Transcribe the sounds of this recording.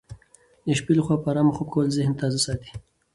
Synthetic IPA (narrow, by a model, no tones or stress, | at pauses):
d̪ɪʃpilxwaːpaɾamaχokʰolzɪhnt̪aːzasɑːt̪i̥